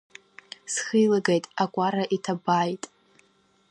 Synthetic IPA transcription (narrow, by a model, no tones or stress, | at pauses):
sχɨjlaɡejtʼakʷʼaɾaʔitʰabaːjtʼ